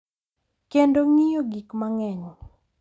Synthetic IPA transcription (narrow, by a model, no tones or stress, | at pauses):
kendoŋijoɡikmaŋɛɲ